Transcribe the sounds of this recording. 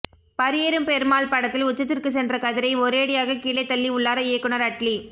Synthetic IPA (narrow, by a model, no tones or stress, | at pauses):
pɐɾɪjeɾɯmpɛɾmaːɭpɐɽɐt̪ːɪlʊt͡ʃːɐt̪ːɪrkɯs̬ɛndrɐkɐðɪɾɐɪɔɾeːɽɪjaːɣɐkiːlɐɪt̪ːɐlːiʊɭːaːɾɐeːkːɯnɐɾɐʈli